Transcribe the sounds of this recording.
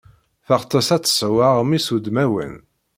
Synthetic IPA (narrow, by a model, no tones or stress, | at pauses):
θəʁt̪ˤːəsæt͡sːswaʁmisud̪mæwə̰n